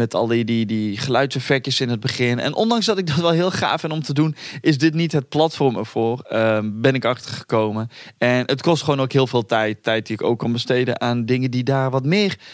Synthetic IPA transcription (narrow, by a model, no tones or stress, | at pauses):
mɛtʰɑ̰lˠididiχəlœɥtsəfɛk̚təsɪnɦəd̚bəχɪnɛ̰nʔɔ̰ndɑŋszdɑtɪɡ̚dɑtʋɛlˠɦɪːlˠχa̰ːfɪnɔmtədunʔɪsdɪtnitɦət̚plɑtfɔɹmə̰ɹv̥oːrəbɛnɪkɑχtəɹχə̥kowməɛnətkɔstχəʋoːnowkɦɪːlˠvɪːlˠtɛjtʰːɛjt̚diɪko̰wkːɑnbəstejdə̰nʔaːndɪŋədidaːrʋɑtmɪːr